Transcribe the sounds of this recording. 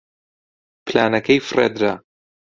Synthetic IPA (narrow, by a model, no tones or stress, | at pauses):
pʰla̰ːnɐkʰɐjfrḛːd̪ɾa